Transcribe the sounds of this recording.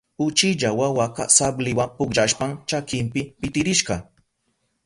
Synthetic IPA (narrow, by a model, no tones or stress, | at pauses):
ʊt͡ʃɪʎawawaka̰sablɪwampʊkʒaʃpaŋt͡ʃakɪmpɪpɪt̪ɪɾɪʃɢɑ